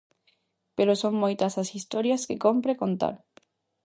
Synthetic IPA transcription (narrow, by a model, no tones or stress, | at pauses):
peɾosoŋmojt̪ɐsasist̪oɾjaskekompɾekont̪a̰ɾ